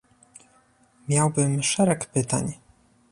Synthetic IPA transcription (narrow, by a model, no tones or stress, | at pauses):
mʲjawbɘmʂɛɾɛkpɘt̪a̰ɲ